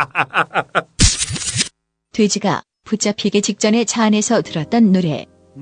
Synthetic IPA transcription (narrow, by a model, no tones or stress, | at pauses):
twe̞d͡ʑiɡa̰ | put͡ɕ͈apʰiɡe̞t͡ɕik̚t͡ɕ͈ʌne̞t͡ɕʰaːne̞sʰʌtɯɾʌt̚t͈ʌnːuɾe̞̰